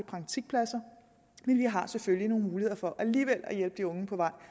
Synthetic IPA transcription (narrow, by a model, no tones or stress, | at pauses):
əpʰʁɑ̈ŋt͡sʰiɡ̥̚pʰlæsɐ | menljɑɦɑ̈seføljino̝ːn̩muːlihe̝ð̰ˠɐfɒ̽ʔæliːʋel̰æjelb̥əd̥iɔ̽ŋəpʰɒ̽ʋɑ̈ɪ̰